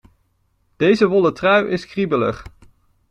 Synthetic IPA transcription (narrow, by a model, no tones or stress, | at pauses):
d̥ejzəʋɔlətrœɥʔɪskribələ̰χ